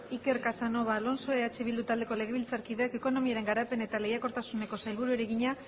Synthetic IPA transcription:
ike̞ɾkasano̞βalo̞nso̞eat͡ʃeβild̪ut̪ald̪e̞ko̞leɣe̞βilt͡saɾkiðeakeko̞no̞miaɾe̞ŋɡaɾape̞ne̞t̪ale̞jako̞ɾt̪asune̞ko̞sajlβuɾueɾeɣiɲa

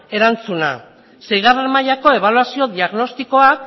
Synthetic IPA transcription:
e̞ɾant͡suna̰ | sejɣareɾmajako̞e̞β̞aluasio̞ðiaɣno̞st̪iko̞ak

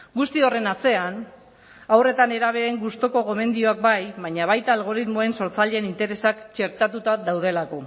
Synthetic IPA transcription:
ɡust̪io̞re̞nase̞an | awre̞t̪ane̞ɾaβ̞e̞eŋɡust̪o̞ko̞ɣo̞me̞nd̪io̞ak̚bajβaɲaβ̞ajt̪aːlɣo̞ɾit̪mo̞e̞nso̞ɾt͡saʎeːnint̪e̞ɾe̞sakt͡ʃe̞ɾt̪at̪ut̪aðawð̞e̞lako̞

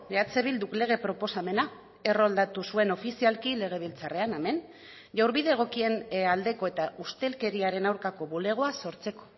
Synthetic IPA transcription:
leat͡se̞β̞ild̪ukle̞ɣ̞e̞pɾo̞po̞same̞na | e̞ro̞ld̪at̪usue̞no̞fisialkile̞ɣ̞e̞β̞ilt͡sare̞aneme̞n | ʝawɾβiðe̞ɣ̞o̞kie̞nald̪e̞ko̞e̞t̪aʔust̪e̞lke̞ɾiaɾe̞nawɾkako̞βule̞ɣ̞o̞aso̞ɾt͡se̞ko̞̥

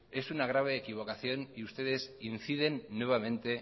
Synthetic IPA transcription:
e̞sunaɣ̞ɾaβ̞e̞ːkiβ̞o̞kaθjo̞niust̪e̞ð̞e̞sinθiðe̞nːwe̞β̞amẽ̞nt̪e̞

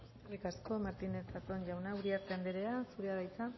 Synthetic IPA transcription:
erikasko̞maɾt̪ine̞sat̪onʝawnauɾiaɾt̪e̞and̪eɾeasuɾeaðajt͡sa

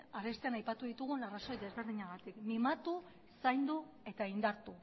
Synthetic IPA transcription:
aɾe̞st̪eanajpat̪uðit̪uɣ̞unaraso̞jðezβe̞ɾð̞iɲaɣat̪ikmimat̪u | sajnd̪u | e̞t̪aind̪aɾt̪u

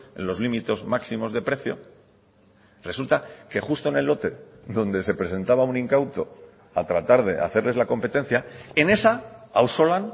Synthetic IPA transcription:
e̞̰nlo̞zlimit̪e̞zmaksimo̞zð̞e̞pɾe̞θjo̞ | re̞sult̪ake̞χust̪o̞ene̞lːo̞t̪e̞ | ðo̞nd̪e̞se̞pɾe̞se̞nt̪aβ̞aunĩŋkawt̪o̞ | at̪ɾat̪aɾðe̞ʔa̰θe̞ɾle̞zlako̞mpe̞t̪ẽ̞n̟θjae̞ne̞saawso̞lan

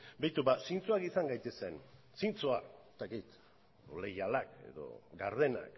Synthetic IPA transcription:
bejt̪ubasint͡suakisaŋɡajt̪e̞se̞n | sint͡soaest̪akit̪ | le̞jalake̞̰ðo̞̰ɡaɾðe̞na̰k

